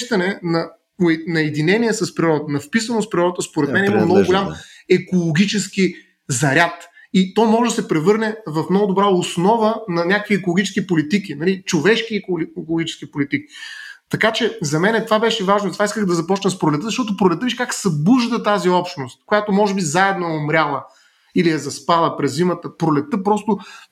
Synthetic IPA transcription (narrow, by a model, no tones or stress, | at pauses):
ʃt̪ɐnɛnɐ | ʊɛnɐɛd̪inɛnʲiɛsɐspɾiɾɔd̪ət̪ənɐfpisɐnospɾiɾɔd̪ət̪əspoɾɛt̪mɛnɛiməmnɔɡʊɡʊlʲamɛkolˠoɡʲit͡ʃɛski | zɐɾʲat̪ | it̪ɔmɔʒɛd̪ɐsɛpɾɛvɤɾnɛvɐfmnɔɡʊd̪obɾaosnɔvənɐnʲakəviɛkolˠoɡit͡ʃɛ̥sk̟ʲipolit̪ikinɐlit͡ʃovɛʃkikolˠoɡʲit͡ʃɛ̥skipolit̪iki̥t̪ɐkat͡ʃɛzɐmɛnɛt̪ovabɛʃɛvaʒnot̪vaiskəxd̪ɐzɐpɔt͡ʃnəspɾʊlɛt̪ɤzɐʃt̪ɔt̪ʊpɾolɛt̪ɤviʃkaksɐbuʒd̪ət̪aziɔpʃnost̪̚kojat̪omɔʒɛbizaɛd̪noɛomɾʲjalˠə | iliɐzɐspalˠəpɾɛzːimət̪əpɾolɛt̪əpɾɔst̪ʊ